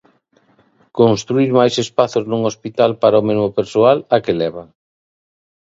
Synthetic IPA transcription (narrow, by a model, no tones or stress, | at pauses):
konst̪ɾuiɾmajsespaθoznuŋospit̪alpaɾaomezmopeɾsoalakelɛβa